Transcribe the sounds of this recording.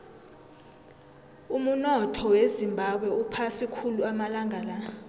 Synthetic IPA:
um̩nɔtʰɔwezimbʱaɓwɛupʰasikʰuluamalaŋʱala

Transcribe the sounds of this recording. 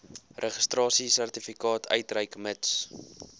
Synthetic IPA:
rʔəχəstrɑːsisærtifikɑːtʰœ̰ɥtrəjkməts

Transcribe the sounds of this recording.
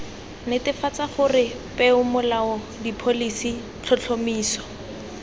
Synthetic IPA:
nɪtɪfat͡saχʊrɪ | pɛʊmʊlaɔ | dipʰolisi | t͡ɬʰɔt͡ɬʰomiːsɔ̥

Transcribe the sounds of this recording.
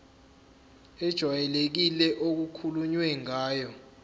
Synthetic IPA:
ɛd̥ʒ̥ʱwajɛlek̬ilɛʔok̬ukʰuluɲwɛŋaːjɔ

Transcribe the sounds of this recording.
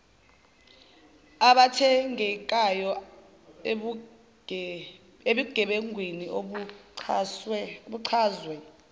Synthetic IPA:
aɓatʰɛŋɛkʼajɔ | eɓiɡ̥ʱɛɓeŋʱwinio | oɓuǀʰaːzwɛ

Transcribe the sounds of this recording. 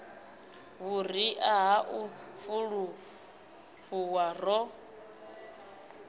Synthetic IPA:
βuriʔaɦaʔufuɺu | ɸuwarɔ

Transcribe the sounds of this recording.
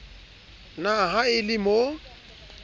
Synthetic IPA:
naɦaɪlɪmo

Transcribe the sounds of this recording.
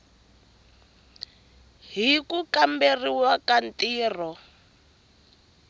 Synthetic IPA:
ɦikukamberiwakan̩tiːr̤ɔ

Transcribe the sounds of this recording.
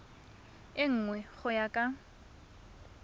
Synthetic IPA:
ɪŋ̩ːŋwɛχʊjakʼa

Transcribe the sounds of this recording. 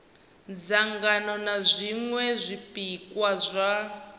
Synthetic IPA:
d͡zaŋɡanɔnazʷiŋwɛzʷipikwazʷa

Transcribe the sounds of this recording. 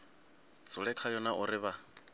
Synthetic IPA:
t͡sʰʼʊɺɛkʰajɔnaʔʊrɪβa

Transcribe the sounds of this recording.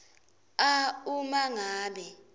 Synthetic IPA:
aumaŋaːɓɛ

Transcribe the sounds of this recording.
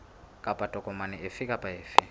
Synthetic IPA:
kʼapʼatʼɔkʼɔmanɛʔefɪkʼapʼaeːfɪ

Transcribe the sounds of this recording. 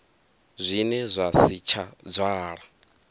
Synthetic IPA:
zʷinɛzʷasit͡ʃʰad͡zʷaːɺa

